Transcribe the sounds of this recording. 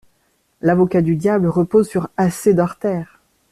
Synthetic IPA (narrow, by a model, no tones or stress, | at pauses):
lavɔkad̪yd̪jabləʁəpozsyʁased̪ɔʁt̪ɛːʁ